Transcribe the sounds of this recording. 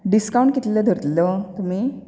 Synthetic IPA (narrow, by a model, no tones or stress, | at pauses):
ɖiskawũɳʈkit̪leləd̪ʱəɾt̪lət̪um̤iː